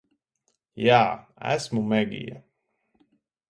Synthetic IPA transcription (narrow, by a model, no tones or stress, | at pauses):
jaːæ̰smumɛɡʲḭja̰